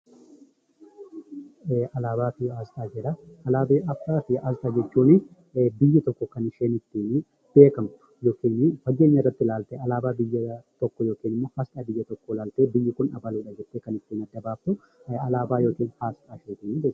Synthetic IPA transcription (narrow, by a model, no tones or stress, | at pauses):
ʔɐlaːbaːfɪaːztaːd͡ʒɛɾɐɐlaːbeːʔɐfːaːfɪaːzt̪ɐd͡ʒɛt͡ʃːuːnɪ | bɪjːɪt̪ɔkːɔkɐnɪʃeːnɪt̪ːiːn | b̥e̞ːkɐmt̪ʊ̥joːkiːnfɐɡe̞ːɲːɐrɐt̪ːɪlaːlt̪eːɐlaːbaːbɪjːɐt̪ɔkːɔjo̞ːkiːnɪmːoːhast̪ɐbɪjːɐt̪ɔkːolaːlt̪eːbɪjːɪkʊnɐ̰bɐluːᶑɐd͡ʒɛt̪ːeːkɐnɪt̪ːiːnɐd̪ːɐbaːpːʊ | ɐlaːbaːjoːkiːnhaːst̪ʼaːʃeːt̪iːnɪbe